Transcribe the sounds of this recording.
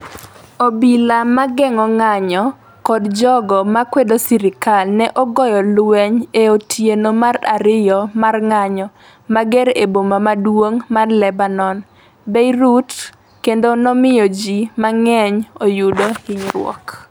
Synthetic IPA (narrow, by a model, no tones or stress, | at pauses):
obilamaɡɛŋɔŋaɲɔ | kɔdd͡ʒɔɡɔmakwedosiɾɪkalnɛʔɔɡɔjɔlwɛɲeotʰjenomara̰ɾɪjɔmarŋaɲɔ | maɡɛɾebomamadwoŋmarlɛbanɔn | beiɾut | kendonɔmɪjɔd͡ʒimaŋɛɲojudoɪɲɾwɔ̰k